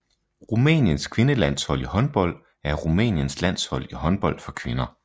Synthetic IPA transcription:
ʁumɛ̰ːnjənskʰʋe̝nəlæn̰shɒ̽l̰ihɒ̽nb̥ɒ̽l̰d̥ | æɐʁumɛ̰ːnjənslæn̰shɒ̽l̰iɦɒ̽nb̥ɒ̽l̰d̥fɒ̽kʰʋe̝nɐ

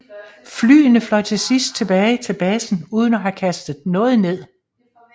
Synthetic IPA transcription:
fly̰ːnəflɒ̽t͡sʰe̝sisd̥̚t͡sʰe̝b̥ɛːɪt͡sʰe̝lb̥ɛːsn̩uːð̞ˠən̩ɒɦækʰæsd̥ð̩ˠnɔ̽ːð̞̩ˠne̝ð̰ˠ

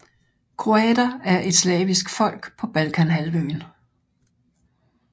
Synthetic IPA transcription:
kʰʁo̝ɛd̥ɐæɐʔe̝d̥slɛ̰ːʋisɡ̥fɒ̽l̰ɡ̥pʰɒ̽b̥ælkʰænɦælʋøːn

